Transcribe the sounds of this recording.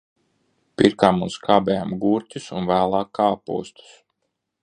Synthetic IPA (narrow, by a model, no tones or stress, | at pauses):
piɾkaːmunskʰaːbɛːjaːmɡuːɾt̪ʲisunvæːlˠɑːkːaːpṵɔst̪u̥s